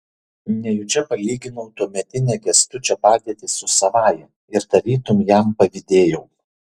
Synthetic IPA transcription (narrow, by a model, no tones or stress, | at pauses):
nʲɛjʊt͡ʃʲɛpɐlʲiːɡʲɪnɔʊt̪uɔmʲɛt̪ʲɪnʲɛːɡʲɛst̪ʊt͡ʃʲɛpɑːd̪ʲiɛt̪ʲɪsʊsɐʋɑːjɛ | ɪɾd̪ɐɾʲiːt̪ʊmjæˑmpɐʋʲɪd̪ʲeːjɛʊ